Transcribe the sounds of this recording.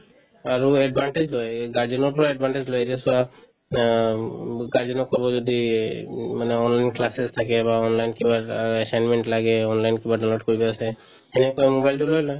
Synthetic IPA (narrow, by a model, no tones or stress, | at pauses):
aɹuɛɖbʱaɳʈed͡ʒlojɡaɹdiɔnɔɹpɔɹaɛɖ̚bʱaɳʈed͡ʒlɔjɛtɛsɔa | ɡaɹziɔnɔkɔbɔzɔdi | manɛɔnlajnklasezt̪ʰakɛbaɔnlajnkibaɛsajnmɛɳʈlaɡɛɔnlajnkibaɖawloʈ̚kɔɹibaasɛ | hɛnikɔmobajlʈulojlɔj